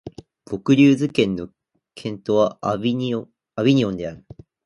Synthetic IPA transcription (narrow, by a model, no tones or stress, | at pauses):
b̥o̞kɯ̟ɾʲɨːzɨkẽ̞nːo̞ | kʰẽ̞nt̪o̞βa | abʲiɲ̟iõ̞nd̪e̞aɾɯ̟